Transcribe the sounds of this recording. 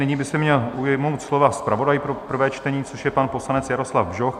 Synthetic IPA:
nɪɲiːbɪsɛmɲɛlʔujɛmowt̪slo̞vaspɾavo̞dajpɾo̞pr̩vɛːt͡ʃt̪ɛɲiːt͡soʃjɛpanposlanɛt͡sjaɾo̞slavbʒox

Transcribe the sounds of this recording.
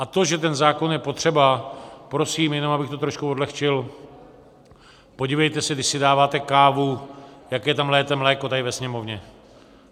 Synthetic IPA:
ʔat̪o̞ʒɛt̪̬ɛnzaːko̞njɛpo̞t̪r̥ɛbapɾo̞siːmjɛnomabɪxt̪o̞t̪ɾoʃkuo̞dlɛxt͡ʃɪl | po̞ɟivɛjt̪ɛsɛɡdɪʃsɪdaːvaːt̪ɛkaːvujakɛjɛt̪amlɛːt̪ɛmlɛːko̞t̪adɪvɛsɲɛmo̞vɲɛ

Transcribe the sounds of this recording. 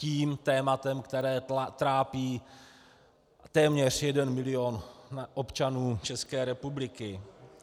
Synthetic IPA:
ciːmt̪ɛːmat̪ɛmkt̪ɛɾɛːt̪ɾaːpiː | t̪ɛːmɲɛr̝̥jɛdɛnmɪlɪonʔopt͡ʃanuːt͡ʃɛskɛːɾɛpublɪkɪ

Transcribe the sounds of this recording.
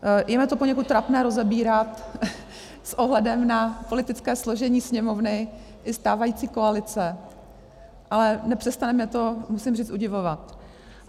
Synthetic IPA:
jɛmɛt̪o̞poɲɛkut̪ːɾapnɛːɾo̞zɛbiːɾat̪ | sʔo̞ɦlɛdɛmnapolɪt̪ɪt͡skɛːslo̞ʒɛɲiːsɲɛmo̞vnɪ | ʔɪst̪aːvajiːt͡siːko̞alɪt͡sɛ | ʔalɛnɛpr̝̥ɛst̪anɛmɲɛt̪o̞musɪmriːt͡st̪ʔuɟɪvovat̪

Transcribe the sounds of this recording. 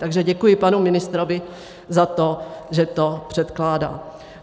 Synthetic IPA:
t̪aɡʒɛɟɛkujɪpanumɪnɪst̪ɾovɪ | zat̪oʒɛt̪opr̥ɛt̪klaːda̰ː

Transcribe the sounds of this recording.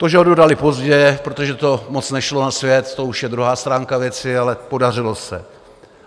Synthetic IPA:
t̪oʒɛɦododalɪpo̞zɟɛpɾo̞t̪oʒɛt̪o̞mo̞t͡snɛʃlo̞nasvjɛt̪t̪ouʃjɛd̪ɾuɦaːst̪ɾaːŋkavjɛt͡sɪalɛpo̞dar̝ɪlo̞sɛ̰

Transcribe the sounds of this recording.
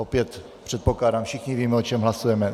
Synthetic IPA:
opjɛt̪ | pr̝̥ɛt̪̚poklaːdaːmfʃɪxɲiviːmɛot͡ʃɛmɦlasujɛmɛ

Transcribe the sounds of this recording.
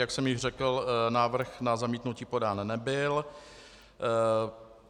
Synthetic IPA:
jaksɛmjɪʒr̝ɛkl̩naːvr̩xnazamiːt̪nuciːpo̞daːnnɛbɪl

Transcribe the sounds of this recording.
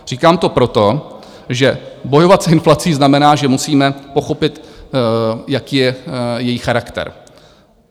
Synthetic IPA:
r̝̥iːkaːmt̪o̞pɾo̞t̪o̞ | ʒɛbo̞jo̞vat̪sɪnflatt͡siːznamɛnaːʒɛmusiːmɛpo̞xo̞pɪt̪ | jakiːjɛjɛjiːxaɾakt̪ɛ̰ɾ

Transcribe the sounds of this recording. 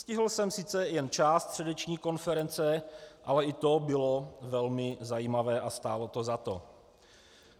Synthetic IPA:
scɪɦl̩sɛmsɪt͡sɛjɛnt͡ʃaːst̪r̥ɛdɛt͡ʃɲiːko̞nfɛɾɛnt͡sɛʔalɛʔɪt̪o̞bɪlo̞vɛlmɪzajiːmavɛːʔast̪aːlo̞t̪o̞zat̪o̞̰

